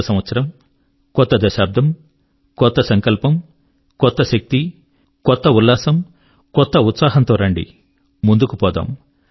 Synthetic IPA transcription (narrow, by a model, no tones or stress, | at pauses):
ɐsɐmʋɐt̪sɐɾɐm | kɔt̪ːɐd̪ɐʃaːpb̚d̪ʱɐm | kɔt̪ːɐsɐŋkɐlpɐm | kɔt̪ːɐʃɐk̚t̪i | kɔt̪ːɐulːaːsɐm | kɔt̪ːɐut̪saːɦɐnt̪oːɾɐɳɖḭ | mund̪ukupɔːd̪a̰ːm